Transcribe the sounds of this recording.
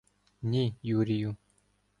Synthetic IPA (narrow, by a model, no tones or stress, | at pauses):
nʲijuɾʲiju